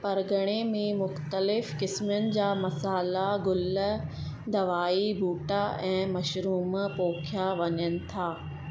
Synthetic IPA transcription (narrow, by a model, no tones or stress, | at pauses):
pɐɾɡʱəɽ̃emẽmʊxt̪əlɪfkɪsmjənɪ̆d͡ʑaːmɐsaːlaɡʊl | d̪ɐʋaːibʱuːʈaɛ̃ːmɐʃɾuːmpoːkʰjaʋɐɲənɪ̆t̪ʰaː